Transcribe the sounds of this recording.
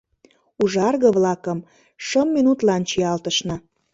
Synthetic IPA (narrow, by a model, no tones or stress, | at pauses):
uʒɑrɣə̆βlɑkəm | ʃəmːinut̪lɑnt͡ɕiɑlt̪əʃnɤ